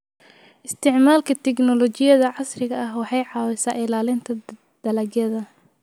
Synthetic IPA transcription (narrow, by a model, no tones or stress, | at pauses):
ɪst̪ʰɪʕmaːlkʰɐt̪ʰɛɡnɔlɔt͡ʃɪjɐðɐʕɑsrɪɣɐɐɦwɑħɑjʕɑːwɛsaːʔɪlaːlɪnt̪ʰɐ | d̪̥ɐlɐɡjɐðɐ